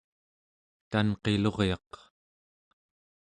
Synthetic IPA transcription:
t̪anqe̞lo̞ʁjɑq

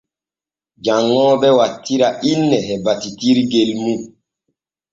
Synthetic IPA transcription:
d͡ʒaŋːɔːbɛwatʰːiɾaʔinːɛɦɛbatitiɾɡelmu

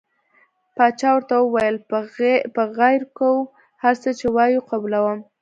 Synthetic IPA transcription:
pɑt͡ʃɑwəɾt̪awəwajəl | pəɣajɾkaw | haɾt͡sət͡ʃewɑjuqablawəm

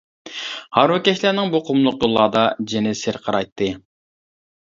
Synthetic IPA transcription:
hɑɾwʊkʲɛʃlæɾnɪŋbuqʰʊmlˠʊq̚jolˠːɑːd̪ɑd͡ʒenɪsɪɾqʰəɾɑjt̪ːɨ

